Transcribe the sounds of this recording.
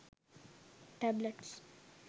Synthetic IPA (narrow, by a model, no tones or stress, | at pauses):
ʈɛbləʈs